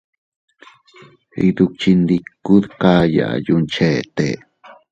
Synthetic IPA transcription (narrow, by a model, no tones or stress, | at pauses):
ḭd̪uk̚t͡ʃind̪ikːuðkaja̰junt͡ʃeːt̪e